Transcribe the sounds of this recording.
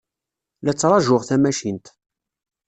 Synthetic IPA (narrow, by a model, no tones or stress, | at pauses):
læt͡sːɾˤɑʒʊʁθæmæʃint̪